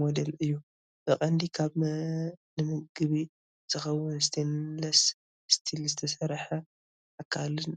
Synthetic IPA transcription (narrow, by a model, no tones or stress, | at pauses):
mod̪elɨjːu | ʔɨχʼɐnd̪ikʰaβ | nɨmɨɡɨβi | tʰɨxɐwʊnst̪ʰinlɐs | st̪ʰilzɨt̪ʰɐsɐɾħɐ | ʔakʰalɨn